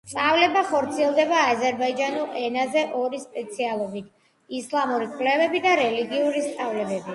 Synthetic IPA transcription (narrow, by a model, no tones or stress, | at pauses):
t̪ʼavlɛbaχɔɾt̪sʰiɛlˠd̪ɛbaːzɛɾbaid͡ʒanulɛnazɛʔɔɾispʼɛt̪sʰialˠɔbit̪ʰ | islˠamuɾikʼvlɛvɛbid̪aɾɛliɡiuɾist̪ʰʼavlɛbɛbi